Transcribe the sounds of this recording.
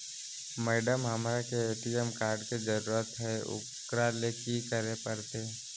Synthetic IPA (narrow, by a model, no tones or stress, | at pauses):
mɛːɖəmɦɐmɾakeeːʈid͡ʒəmkaːɾɖked͡ʒəɾuːɾət̪ɦɛʊ̰ | kɾalekikəɾepəɾt̪e